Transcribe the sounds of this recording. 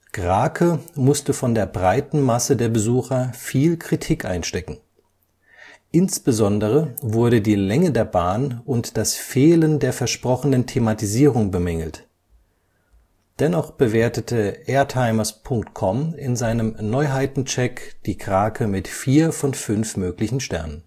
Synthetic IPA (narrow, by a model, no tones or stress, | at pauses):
ɡ̥ʁaːkʰəmʊstəfɔndeːɐbʁaɪtn̩masədeːɐbəzuːxɐfiːlkʁ̥itʰiːkʔa̰ɪnʃtɛkŋ̩ | ʔɪnsb̥əzɔndəʁ̞əvʊɐɾədiːlɛŋədeːɐbaːnʊntd̥asfeːləndeːɐfɛɐʃpʁ̥ɔχənəntʰematiziːʁʊŋbəmɛŋl̩t | d̥ɛnɔχb̥əveːɐtətʰəʔɛːɐtʰaɪmɐspʰʊŋk̚tkʰɔmɪnzaɪnəmnɔʏɦaɪtn̩t͡ʃɛkd̥iːkʁ̥aːkʰəmɪtfiːɐfɔnfʏnfmøːklɪçn̩ʃtɛɐnən